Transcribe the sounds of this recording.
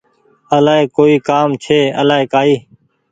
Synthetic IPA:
əlaːɦeːkoːiːkaːmt͡ʃʰeːəlaːɦeːkaːiː

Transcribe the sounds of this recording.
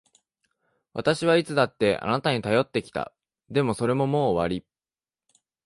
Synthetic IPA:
βa̰t̪aɕiβ̞ait͡sɨd̪at̪ːe̞ʔa̰nat̪aɲ̟it̪ajo̞t̪ːe̞kʲi̥t̪a̰ | d̪e̞mo̞so̞ɾe̞mo̞mo̞ːβaɾʲi

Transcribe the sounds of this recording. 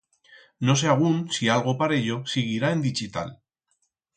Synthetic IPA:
no̞s̬eaɣ̞unsialɣ̞o̞paɾeʎo̞siɣ̞iɾaend̪it͡ʃit̪a̰l

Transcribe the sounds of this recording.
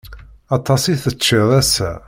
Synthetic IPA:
ɑt̪ˤːɑsiθət͡ʃːiðˤæsæ̰

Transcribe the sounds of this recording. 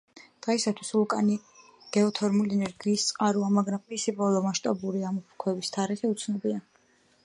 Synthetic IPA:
d̪̥ʁɛsat̪ʰwislukʼani | ɡ̥ɛɔt̪ʰɔɾmuliɛnɛɾɡiːst̪sʼqʼaɾuamaɡɾammisibɔlˠɔmaʃt̪ʼabuɾiamɔpʰkʰwɛbist̪ʰaɾɛtɛut̪sʰnɔbia

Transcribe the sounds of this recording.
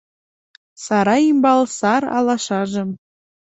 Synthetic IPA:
sɑɾɑimbɑlˠsɑɾɑ̰lˠɑʃɑʒɤ̆m

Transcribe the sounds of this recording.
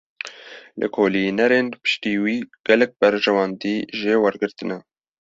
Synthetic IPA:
lʔɨ̰kʰoːlinɛɾeːnpɨ̥ʃt̪iːwiːɡ̥ɛlɛk̚bɛɾʒɛwɑnd̪iːʒeːwɛɾɡɨɾt̪ɨnɛ

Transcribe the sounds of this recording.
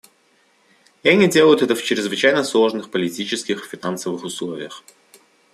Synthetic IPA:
anʲɪdʲelˠəjʊt̪ɛt̪əft͡ɕɾʲɪzvɨt͡ɕæjnəslˠoʐnɨxpəlʲɪtʲit͡ɕɪskʲɪxfʲɪnansəvɨxʊslˠovʲɪ̰jəx

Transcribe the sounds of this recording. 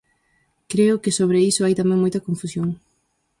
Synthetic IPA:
kɾeʊkɪsoβɾeisʊajt̪amɛ̃ŋmojt̪ɐkoɱfusjoŋ

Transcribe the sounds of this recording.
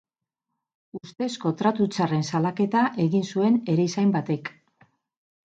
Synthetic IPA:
ust̪e̞sko̞t̪ɾat̪ut͡sare̞nsalake̞t̪aʔe̞ɣinsue̞ne̞ɾeisajmbat̪e̞k

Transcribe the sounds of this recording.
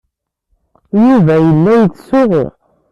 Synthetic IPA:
juvæjəlːæjət͡sːsʊʁʊ̰

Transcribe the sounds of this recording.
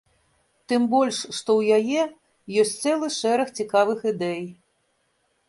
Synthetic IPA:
t̪ɨmbɔlʲʂʂt̪ɔwjajɛ | jɔsʲtʲt̪sɛlˠɨʂɛɾɐxt͡sʲikavɨxɨd̪ɛj

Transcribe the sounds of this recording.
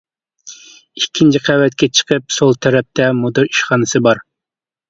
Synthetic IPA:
ikʲʰːint͡ʃʰiqʰæwɛt̪kʲɛt͡ʃʰə̥qʰəp̚solˠt̪ʰɛɾɛp̚t̪ʰɛmod̪ɨɾiʃχɑːnɨsɨbɑɾ

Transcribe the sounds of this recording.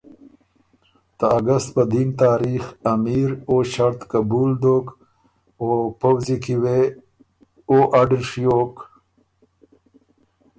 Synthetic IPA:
t̪aaɡast̪̚pəd̪int̪aːɾixɐmiːɾoɕaɾt̪kabuːld̪ok | opawzikiwe | oːʔaɖiʂjoːk

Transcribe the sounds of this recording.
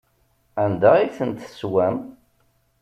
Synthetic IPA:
ænd̪æiθənt̪swæm

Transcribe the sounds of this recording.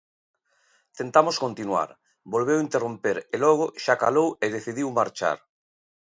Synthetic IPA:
t̪ent̪amoskont̪inwa̰ɾ | bolβewint̪erompeɾelɔɣ̞ʊʃakaloweð̞eθiðiwmaɾt͡ʃa̰ɾ

